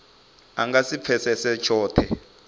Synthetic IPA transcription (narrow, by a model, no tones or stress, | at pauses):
a̰ŋɡasip̪fʰɛsɛsɛt͡ʃʰɔːtʰɛ